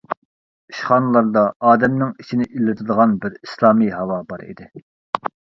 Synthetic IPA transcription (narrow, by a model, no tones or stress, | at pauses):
iʃχɑːnɨlˠɑɾd̪ɑɑːd̪ɛmnɪŋit͡ʃʰinɪʔilɪt̪ʰɨd̪əʁɑnbɪɾislˠɑːmijɦɑwɑbɑɾḭd̪ɪ